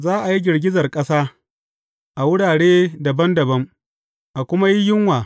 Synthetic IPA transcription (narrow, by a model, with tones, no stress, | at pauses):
zaː˦ʔa˨ji˦ɡʲɪ˨rɡʲɪ˦zɐ˨rkʼɐ˦saː˦ | ʔa˨wʊ˦ɽaː˨ɽeː˦dɐ˨bɐ˦ndɐ˨bɐ˦ŋ | ʔa˨kʷʊ˦ma˦ji˦jɪ˦ŋwaː˨